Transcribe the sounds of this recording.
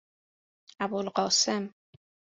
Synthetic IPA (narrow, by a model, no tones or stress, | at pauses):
æbolɢɒːsem